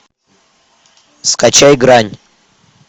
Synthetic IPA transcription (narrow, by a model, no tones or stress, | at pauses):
skʼat͡ʃʰajɡɾanʲ